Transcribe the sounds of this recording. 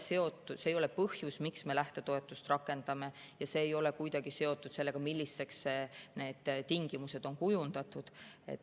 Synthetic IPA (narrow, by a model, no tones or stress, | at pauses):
se̞o̞t̪ːˑusejo̞le̞pɤhjusmiksme̞læht̪e̞t̪o̞e̞t̪ːˑust̪rɑkːˑe̞nd̪̥ɑme̞jɑse̞ːjo̞le̞kujd̪̥ɑɡ̥ise̞o̞t̪ːˑud̪̥se̞lːe̞ɡ̥ɑmilʲːisːe̞ksːene̞ːd̪̥t̪iŋɡ̥imuse̞d̪̥o̞nkujund̪̥ɑt̪ːˑud̪̥e̞̰t̪ː